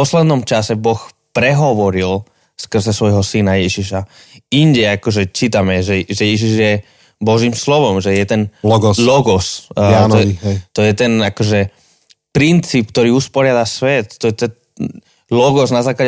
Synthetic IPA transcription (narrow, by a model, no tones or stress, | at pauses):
pɔslɛd̪nɔmt͡ʃasɛbɔxpɾɛɦɔʋɔɾil | skr̩zɛsʋɔjɦɔsinajɛʒiʃa | iɲɟɛakɔʒɛt͡ʃiːt̪amɛʒɛʒɛjɛʒiʒjɛ | bɔʒiːmslɔʋɔmʒɛjɛt̪ɛnlɔɡɔslɔɡɔsanɔɦɛt̪ɔjɛt̪ɛnakɔʒɛ | pɾint͡siːp̚k̚t̪ɔɾiːuspɔɾɪad̪asʋɛt̪ːɔjɛt̪ɛ | lɔɡɔznazaːkla